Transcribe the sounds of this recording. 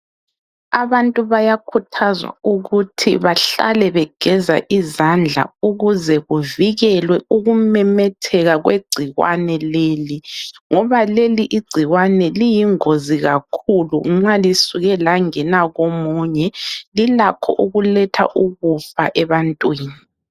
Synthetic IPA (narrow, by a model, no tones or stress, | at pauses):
aβantʼuβajakʰutʰazwa̰uɣutʰiβaɬa̰lɛβɛɡ̥ʱɛza̰ʔizand͡ɮʱa̰uɣuzɛɣuviɣɛlwɛuɣumɛmɛtʰɛɣaɣweɡ͡ǀʱiɣwa̰nɛleːliŋɔβaleliʔiɡ͡ǀʱiɣwanɛlijiŋoziɣakʰulṵŋ͡ǁalisuɣɛlaŋɛnaɣomuɲɛlilakʰɔ̰ʔuɣulɛtʰa̰ʔuɣufaʔɛβantʼwiːni